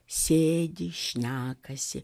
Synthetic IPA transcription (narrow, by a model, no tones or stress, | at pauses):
sʲeːd̪ʲɪʃʲnʲæːkɐsʲɪ